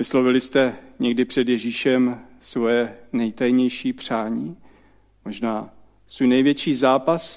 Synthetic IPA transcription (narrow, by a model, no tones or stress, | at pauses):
vɪslovɪlɪst̪ɛɲɛɡdɪpr̝̥ɛd̪jɛʒiːʃɛm | svojɛnɛjt̪ajɲɛjʃiːpr̝̥aːɲiː | mo̞ʒnaː | svuːjnɛjvjɛt͡ʃiːzaːpas